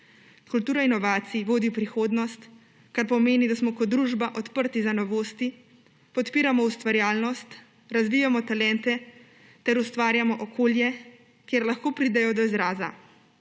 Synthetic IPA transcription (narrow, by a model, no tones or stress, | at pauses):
kult̪uːɾainɔʋaːt̪siʋoːd̪ipɾixoːd̪nɔst̪ | kaɾpɔmeːnid̪asmɔkɔd̪ːɾuːʒbaʔɔt̪pəɾt̪izanɔʋoːst̪i | pɔt̪piːɾamɔust̪ʋaɾjaːlnɔst̪ | ɾazʋiːjamɔt̪alɛnt̪ɛ | t̪ɛɾust̪ʋaːɾjamɔʔɔkʰoːljɛ | kjeɾlaxkoːpɾiːd̪ɛjɔd̪ɔizɾaːza̰